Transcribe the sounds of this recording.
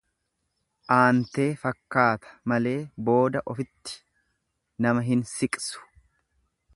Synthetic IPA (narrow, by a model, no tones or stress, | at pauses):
ʔaːnt̪e̞ːfɐkːaːt̪ʰɐ̥mɐle̞ːbo̞ːd̪ɐʔɔfɪt̪ːɪ̥ | nɐmɐɦɪnsɪkʼsʊ̥